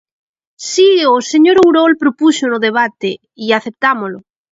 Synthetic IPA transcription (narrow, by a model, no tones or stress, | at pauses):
sioseɲoɾowɾolpɾopusonoðeβ̞at̪e | iaθep̚t̪amolo